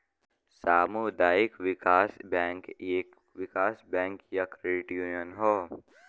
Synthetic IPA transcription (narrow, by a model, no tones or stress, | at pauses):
saːmud̪aːɪkʋɪkaːsbɛ̃ːŋkː | ʋɪkaːsbɛ̃ːŋkjɐkɾeʈjuːnjənɦoː